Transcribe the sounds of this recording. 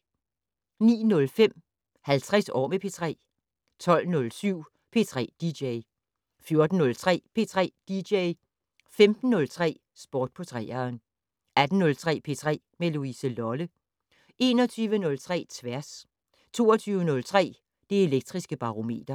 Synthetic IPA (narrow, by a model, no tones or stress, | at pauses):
nḭːnɔ̽lfem̰ | hælt͡sʰʁɛsɒ̰ːmepʰe̝t͡sʰʁɛ̰ː | t͡sʰɒ̽l̰nɔ̽lsyʊ̰ | pʰe̝t͡sʰʁɛ̰ːd̥ideɪ | fjo̝ɐd̥n̩ːɔ̽lt͡sʰʁɛ̰ːpʰe̝t͡sʰʁɛ̰ːd̥ideɪ | femd̥n̩ːɔ̽lt͡sʰʁɛ̰ː | sb̥ɒːd̥̚pʰɒ̽t͡sʰʁɛ̰ːɐn | æd̥n̩nːɔ̽lt͡sʰʁɛ̰ːpʰe̝t͡sʰʁɛ̰ːmeloisəlɒ̽lə | e̝ːnɒt͡sʰyːʋənɔ̽lt͡sʰʁɛ̰ːt͡sʰʋæɐs | t͡sʰo̝ːɐt͡sʰyːʊənɔ̽lt͡sʰʁɛ̰ː | d̥e̝e̝leɡ̥̚d̥ʁisɡ̥əb̥ɑ̈ʁo̝me̝̰ːd̥ɐ